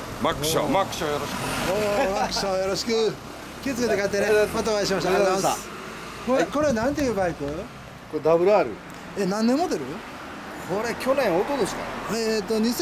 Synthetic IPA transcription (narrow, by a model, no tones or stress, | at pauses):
makɯ̥ɕo̰makɯ̥ɕojoɾoɕi̥kɯoːmakɯ̥ɕojo̞ɾo̞ɕi̥kɯ | kʲit͡sɨ̥ke̞t̪e̞kait̪ːenemat̪̬oːaiɕimaɕ̬t̪aɡozajma | koɾeko̞ɾenãnt̪̬e̞jɯbaikɯ | koed̪abɯ̟ɾɯaɾɯ̰ | enãnːemːo̞d̪e̞ɾɯ̟ | kʰo̞ɾe̞kʲo̞nẽ̞ɰ̃ot̪ːod̪esɨ̥ka̰et̪ːo̞ɲ̟is